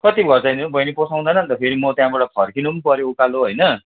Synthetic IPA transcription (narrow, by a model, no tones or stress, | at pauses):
kʌt̪ibɡʱʌrt͡sʌj̃ninbʌjniposʰaw̃d̪anʌnt̪ʌpʰeɾimʌt̪jãbaʈʌpʰʌrkinupʌɾjoukaloɦʌjnʌ